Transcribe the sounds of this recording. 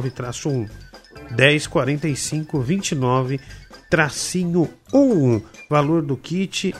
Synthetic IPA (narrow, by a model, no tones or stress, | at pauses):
vɪt̪ɾasʊũd̪ɛjskwaɾẽnt̪ejsĩŋkʊvĩnt͡ʃinɔvɪt̪ɾasĩɲʊũũvaloɾd̪ʊkit͡ʃɪ